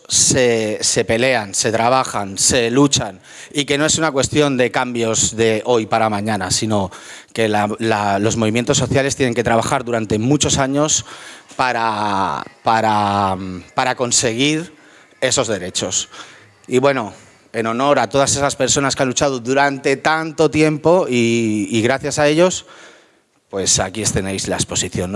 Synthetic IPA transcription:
sese̞pe̞le̞anse̞t̪ɾaβ̞axanse̞lut͡ʃan | ike̞no̞e̞sunakwe̞st̪jo̞nd̪e̞kambjo̞zðe̞ʔo̞jpaɾamãɲãnasino̞ke̞lalalo̞zmo̞β̞imje̞nt̪o̞sːo̞θjale̞st̪jene̞ŋke̞t̪ɾaβ̞axaɾðuɾant̪e̞mut͡ʃo̞saɲo̞spaɾa | paɾa | paɾako̞nse̞ɣ̞iɾ | e̞so̞zðe̞ɾe̞t͡ʃo̞s | iβwe̞no̞ | e̞no̞no̞ɾat̪o̞ð̞ase̞saspe̞ɾso̞naskeanlut͡ʃaðoðuɾant̪e̞t̪ant̪o̞t̪je̞mpo̞iːɣ̞ɾaθjasae̞ʎo̞s | pwe̞sakie̞st̪e̞nejzlaespo̞siθjo̞n

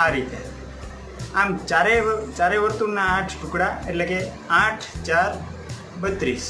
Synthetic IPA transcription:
aɾit̪e | amt͡ʃaɾet͡ʃaɾeʋəɾt̪unaãʈʰʈʊkɽaeleke | ãʈʰt͡ʃaɾ | bət̪ɾis

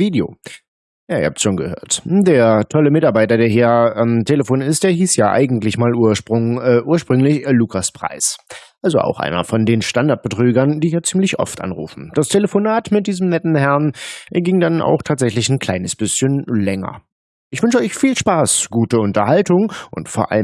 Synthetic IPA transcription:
viːdeo̰ː | jaːḭhaptsʃoːnɡə̰hø̰ːɐtdeːɐtʰɔləmɪtaɐbaɪtɐdeːɐɦiːɐʔamtʰeləfoːnɪst̚d̥eːɐɦiːsjaːʔa̰ɪɡŋ̩tlɪçmaːluːɐʃpʁʊŋːʔuːɐʃpʁ̥ʏŋlɪçluːkʰaspʁ̥a̰ɪsʔalzoʔa̰ʊxʔa̰ɪnɐ̰fɔndeːnʃtandaɐt̚b̥ətʁ̥yːɡɐnd̥iːjaːt͡siːmlɪçʔɔ̰ftʔa̰nʁṵːfn̩d̥astʰeləfonaːtmɪt̚d̥iːzəmnɛtn̩hɛɐnɡɪŋdana̰ʊxtʰaːtz̥ɛçlɪçn̩kʰl̥aɪnəsb̥ɪsçənlɛŋɐ̰ | ʔɪçv̥ʏnʃəɔʏçfiːlʃpaːsɡ̥uːtəʊntɐhaltʊŋʔʊ̰ntfoːɐʔa̰ləm

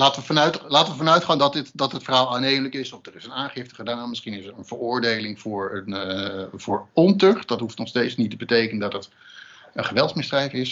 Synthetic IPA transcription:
laːtəʋəvɑnœɥtlaːtəʋəfɑnœɥtχaːndɑtɪtdɑtɦətfərɦaːlˠaːnejmləkɪsɔfdərɪsənaːnχɪftə̥χədaːnnmɪsχinɪsəɹənv̥ərʊːɹdejlɪŋv̥ʊːɹənvʊːɹɔntøχtd̥ɑtɦuftnɔχstejtsnitəbətejkənəndɑtət | ənχəʋɛlˠtsmɪzdrɛjfɪs

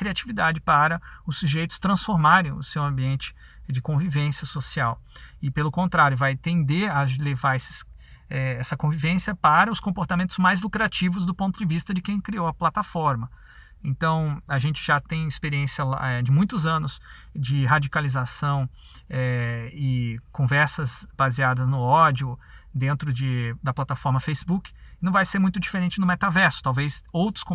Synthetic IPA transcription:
kɾiat͡ʃivid̪ad͡ʒɪpaɾɐʊsːuʒejt̪ʊ̥st̪ɾɐ̃sfoɾmaɾẽj̃ʊ̰sewɐ̃mbiẽnt͡ʃɪ̥ | d͡ʒɪkõvivẽsiɐsosiawɪpelʊkõnt̪ɾaɾjʊvajt̪ẽnd̪eɾɐlevaɾesɪ̥s | ɛɛsɐkõvivẽsjɐpaɾɐʊskõpoɾt̪amẽnt̪ʊzmajzlukɾat͡ʃivʊzd̪ʊpõnt̪ʊd͡ʒɪvist̪ɐd͡ʒɪkẽj̃kɾiowɐplat̪afɔɾmɐ | ẽnt̪ɐ̃w̃aʒẽnt͡ʃɪ̥ʒat̪ẽj̃ɪspeɾiẽsjɐla̰ɛd͡ʒɪmũj̃t̪ʊzɐ̃nʊs | d͡ʒɪɦad͡ʒikalizasɐ̃w̃ | ɛɪkõvɛɾsɐzb̥aziad̪ɐznʊɔd͡ʒiʊd̪ẽnt̪ɾʊd͡ʒɪd̪ɐplat̪afɔɾmɐfejsibukɪ̥nɐ̃vajseɾmũj̃t̪ʊd͡ʒifeɾẽnt͡ʃɪnʊmet̪avɛɾsʊ̥t̪awvejsowt̪ɾʊ̥skõ

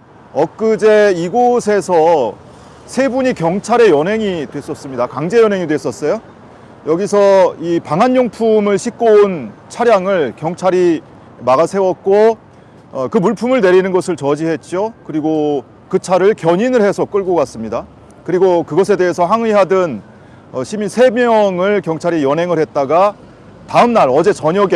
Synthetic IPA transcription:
ʌk͈ɯd͡ʑe̞iɡosʰe̞sʰʌ | sʰe̞buɲikjʌŋt͡ɕʰaɾe̞jʌnɦe̞ŋidwe̞s͈ʌs͈ɯmɲidakaŋd͡ʑe̞jʌnɦe̞ŋidwes͈ʌs͈ʌjo | jʌɡisʰʌipaŋɦanːoŋpʰumɯɭɕʰik̚k͈ount͡ɕʰaɾjaŋɯɭkjʌŋt͡ɕʰaɾi | maɣasʰe̞wʌt̚k͈o | kɯmuɭpʰumɯɭne̞ɾinɯnɡʌsʰɯɭt͡ɕʌd͡ʑiɦe̞t̚t͡ɕ͈okɯɾiɡo | kɯt͡ɕʰaɾɯɭkjʌɲinɯɭhe̞sʰʌk͈ɯɭɡoɡas͈ɯmɲida | kɯɾiɡokɯɡʌsʰe̞de̞ɦesʰʌɦaŋɥiɦadɯn | ʌɕʰiminsʰe̞mjʌŋɯɭkjʌŋt͡ɕʰaɾijʌnɦe̞ŋɯɭhe̞t̚t͈aɡa | taɯmnaɾʌd͡ʑe̞t͡ɕʌɲʌɡe

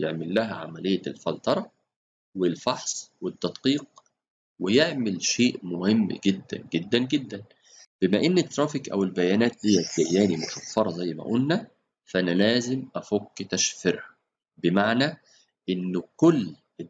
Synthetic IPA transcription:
jeʕmɪlːæɦæʕa̰mælejːælfɑlt̪ˤɑɾˤɑ | wɪlfɑħsˤwɪd̪ːɑd̪qiːq̚ | wɪjeʕmɪlʃeːʔmʊhɪmːɡɪd̪ːæ̰nɡed̪ːænɡɪd̪ːæn | b̥ɪmæʔɪnːet̪ːɾˤɑːfikʔæ̰wɪlbæjæːnæːt̪̚d̪ijːæt̪d̪æjːæːnimʊʃæfːɑɾˤɑzæjːmæ̰ʔulnæ | fʔænælæːzɪmʔæfokːt̪æʃfɪɾhæ̥ | bɪmaʕnæ | ʔɪnːkʊlː

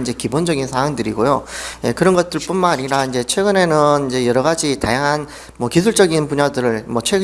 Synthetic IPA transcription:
ind͡ʑe̞kibond͡ʑʌɡinsʰaaŋdɯɾiɡojojekɯɾʌnɡʌt̚t͈ɯɭp͈unmaɲiɾaind͡ʑe̞t͡ɕʰwe̞ɡɯne̞nɯnind͡ʑe̞jʌɾʌɣad͡ʑita̰jaŋɦan | mwʌkisʰuɭt͡ɕ͈ʌɡinpuɲadɯɾɯɭmwʌt͡ɕʰwe

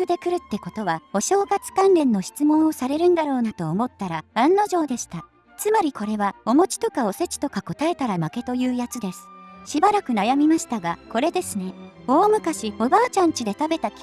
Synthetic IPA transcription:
ɯ̟d̪e̞kɯ̟ɾɯ̟t̪ːe̞ko̞t̪o̞β̞ao̞ɕo̞ːɡat͡sɨ̥kãnɾẽ̞nːo̞ɕi̥t͡sɨmõ̞ɰ̃o̞saɾe̞ɾɯ̟̃nd̪aɾo̞ːnat̪o̞ːmo̞t̪ːaɾaãnːo̞ʑo̞ːd̪e̞ɕi̥t̪a | t͡sɨmaɾʲikʰo̞ɾe̞βao̞mo̞t͡ɕi̥t̪o̞kao̞se̞t͡ɕi̥t̪o̞kako̞t̪ae̞t̪aɾamake̞t̪o̞jɯ̟ːjat͡sɨd̪e̞sɨ̥ɕibaɾakɯ̟najamʲimaɕi̥t̪aɡako̞ɾe̞d̪e̞sɨne̞o̞ːmɯ̟kaɕio̞baːt͡ɕãɲ̟t͡ɕid̪e̞t̪abe̞t̪akʲ

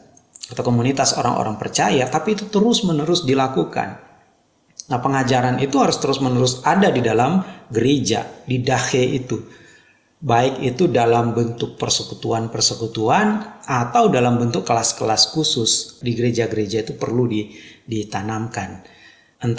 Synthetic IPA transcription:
at̪awkomunit̪aso̰ɾa̰ŋʔo̰ɾaŋpərt͡ʃajat̪apiːt̪ut̪əɾʊsmənəɾʊsdilakuka̰n | napəŋad͡ʒaɾanit̪uhaɾʊst̪əɾʊsmənəɾʊsadadidalamɡəɾed͡ʒa̰didaheʔit̪u | baɪkit̪udalambənt̪ʊk̚pərsəkut̪uanpərsəkut̪uanat̪awdalambənt̪ʊkːəlaskəlaskusʊsdiɡəɾed͡ʒaɡəɾed͡ʒait̪upərludidit̪anamkan | ənt̪

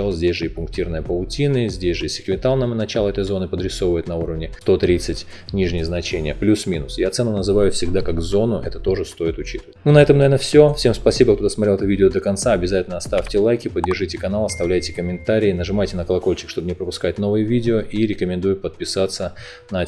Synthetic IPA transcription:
alˠzʲdʲesʲʐɨipʊŋk̚tʲirnəɨjəpəlˠʊtʲinɨzʲdʲesʲʐɨisʲɪ̥kvʲɪt̪alˠnəmnɐt͡ɕalˠəɛt̪əjzo̞nɨpəd̪ɾʲɪso̞vəjɪt̪nɐuɾəvnʲɪst̪o̞t̪ɾʲit̪sɨtʲ | nʲiʐnʲɪjəznɐt͡ɕenʲɪjəplʲusmʲinʊsjat̪sɛnːʊnəzɨvajʊfsʲɪɡ̚d̪akaɡzo̞nʊʔɛ̰t̪ət̪o̞ʐɨst̪o̞ɪt̪ʊt͡ɕi̥t̪əvətʲnunɐɛt̪əmɐvʲernəfsʲofsʲe̞mspɐsʲibəkt̪ot̪əsmɐtɾʲelˠɛt̪ʊvʲidʲɪod̪əkɐnt̪saɐbʲɪzatʲɪlʲnɐst̪aftʲɪlˠajkʲɪpədʲːɪrʐɨjtʲɪkɐnalˠɐst̪ɐvlʲæjtʲɪ̥kəmʲɪnt̪aɾʲɪːnəʐɨmajtʲɪnəkəlˠɐko̞lʲt͡ɕɪ̥kʂt̪o̞bənʲɪɛpɾəpʊskajɪt̪no̞vɨjəvʲidʲɪoʔiɾʲɪkəmʲɪnd̪ujʊpət̪̚pʲɪsat̪sːə | nɐ

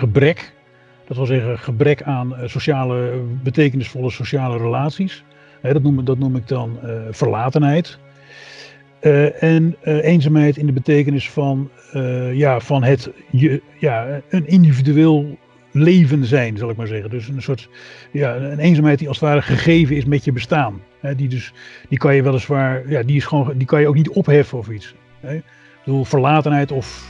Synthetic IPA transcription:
əbrɛk | d̥ɑtʋɪlˠzɛɣənχəbrɛkaːnsoʃaːləbətejkənɪsfolˠəsoʃaːlərəlaːtsis | ɦɛdɑtudɑtnumɪɡ̚dɑnfərlaːtənɦɛjt | ɛnejnzaːmɦɛjtɪndəbətejkənɪsfɑn | jafɑnɦətə | jaənɪndividyeːlˠ | lejvənzɛjnzɑlˠɪk̚maːɹzɛχəndɵsənsʊːɹt | jaənejnzaːmɦɛjt̚diɑlˠsətʋaːɾəχəχejvənɪsmɛtjəbəstaːn | ɦɛdidɵsd̥ikɑnjəʋɛlˠəsʋaːɹjadiɪsχʋondikɑnjəowk̚nitɔpɦɛfənɔfits | ɦɛ | bəduːlˠfəɹlaːtənɦɛjtɔf

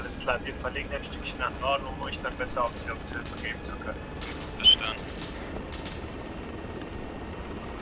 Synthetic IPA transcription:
ʔaləskl̥aːviːɐfɛɐlɪːɡəaɪnʃtʏkçənannʔɔɐdnʊŋɔnçd̥atbɛsɐaʊfdioɡshɪlfəɡeːbm̩t͡sukʰœnən | fɛɐʃtandn̩

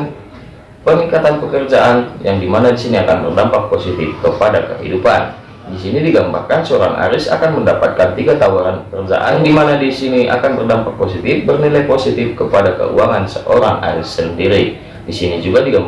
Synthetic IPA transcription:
pəmikat̪anpəkərd͡ʒaʔanjaŋdimanadisiniakanbərdampak̚posit̪ɪfkəpadakəɦḭdupa̰n | disinidiɡamba̰rkansəoɾaŋʔa̰ɾɪsa̰kanməndapat̪̚kant̪iɡat̪awaɾanpəkərd͡ʒa̰ʔaŋdimanadisiniʔa̰kanbərdampak̚posit̪ɪfbərnilajposit̪ɪfkəpadakə̰ṵaŋansəʔoɾaŋa̰ɾɪsːəndiɾi | disinid͡ʒuɡadiɡam

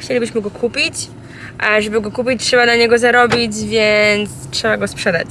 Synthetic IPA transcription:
xt͡ɕelʲibɘɕmɘɡɔkʰupʲit͡ɕ | ʐɛbɘɡɔkupʲit͡ɕtʂɛbad̪laɲɛɡɔzaɾɔbʲid͡ʑvʲjɛnt̪stʂɛbaɡɔspʂɛd̪a̰t͡ɕ

